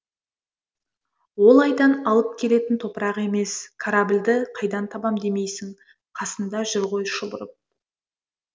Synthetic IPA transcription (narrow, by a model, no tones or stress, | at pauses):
wo̞lˠɑjd̪ɑnɑlˠəp̚kʲʰe̞le̞t̪ɪnt̪ʰo̞pəɾɑʁe̞me̞skʰaɾabɪlʲd̪ɪqʰɑjd̪ɑnt̪ʰɑbɑmd̪e̞me̞jsɪŋ | qʰɑsənd̪ɑʒʏɾʁo̞jʃʊbʊɾəp̚